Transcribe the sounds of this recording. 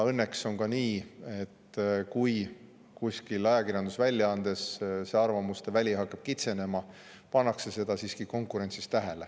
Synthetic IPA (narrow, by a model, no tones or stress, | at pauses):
ɤnːekso̞ŋkɑniːe̞t̪ːkuj | kusʲkilɑjɑkirjɑnd̪̥usvælʲjɑɑnd̪̥e̞sseɑrvɑmust̪evælʲiɦɑkːˑɑb̥kit̪se̞ne̞mɑ | pɑnːɑkse̞se̞d̪̥ɑsiːskiko̞ŋkˑuɾe̞nʲsist̪ːæɦele